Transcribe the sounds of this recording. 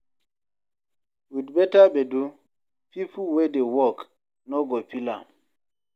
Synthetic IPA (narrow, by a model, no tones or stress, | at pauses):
widbɛtabedu | pʰipuwɛdewɔk | nɔɡopilã̰m